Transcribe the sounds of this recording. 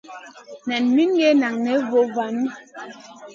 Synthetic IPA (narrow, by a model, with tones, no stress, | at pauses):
na˨nmi˦nɡɛ˦na˨ŋnɛ˨˦vo˨˦va˨n˦